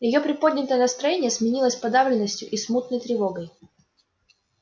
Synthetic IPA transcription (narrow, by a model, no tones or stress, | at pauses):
jɪjo̞pɾʲɪpod̪ʲnʲɪt̪əjənəst̪ɾɐjenʲɪjəsmʲɪnʲilˠəsʲpɐd̪avlʲɪnːəsʲtʲjʊ̰ʔismut̪nəjt̪ɾʲɪvo̞ɡəj